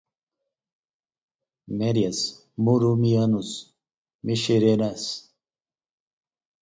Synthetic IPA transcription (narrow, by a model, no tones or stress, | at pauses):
meɾijɐs | muɾumianus | miʃeɾenas